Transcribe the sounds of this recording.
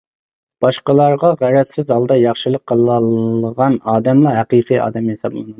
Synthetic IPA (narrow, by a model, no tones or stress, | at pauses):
b̥ɑʃqəlˠɑɾʁɑʁæɾɛt̪sɪzɑlˠd̪ɑjɑχʃɨlˠəqʰːəlˠləʁɑnɑːd̪ɛmlˠɑɦæqiqʰijɑ̰ːd̪ɛmhesɑblˠɨ̰n